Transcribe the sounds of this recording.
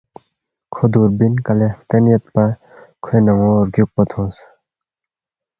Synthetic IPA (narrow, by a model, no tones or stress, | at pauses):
kʰod̪uɾbinkɐleft̪enjɐt̪̚pɐ | kʰenɐŋoɾɡjuk̚pɐt̪ʰõːs